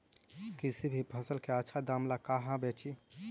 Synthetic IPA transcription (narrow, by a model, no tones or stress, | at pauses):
kisibʱipʰəsəlkeətːʃʰad̪aːmlakaɦãbet͡ʃi